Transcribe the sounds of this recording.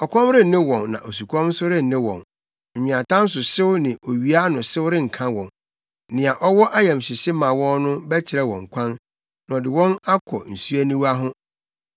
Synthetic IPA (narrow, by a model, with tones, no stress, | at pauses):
ɔ˨kʰɔ̃˦mɾɪ˦˨nɪ̃˦wɔ̃˨nːã̰˨ʔo˨su˨kʰɔ̃˦m˦sʊ˦ɾɪ˦n̩˨nɪ̃˦wɔ̰̃˨n̩˨ | ɲĩ˨ã˨tã˦n̩˦s̬ʊ˨sɪ˦wnɪ̃˨ʔo˨ɥi˨˦a˦nʊ̃˨sɪ˦wɾɪ˦ŋ̩˨kʰã˦wɔ̰̃˨n˦ | nɪ̃˨a˨ʔɔ˦wɔ˦ʔa˦jɛ̃˨m˨ɕɪ˨ɕɪ˦mã˨wɔ̃˦nnʊ̃˦bɛ˦t͡ɕʰɪ˨ɾɛ˦wɔ̰̃˨ŋ̩˨kʷʰã˦nː | ã˨ɔ˨dɪ˨wɔ̃˦na˦kʰɔ̰˨n̩˨su˦æ˦nĩ˦wa˦ɦʊ̃˦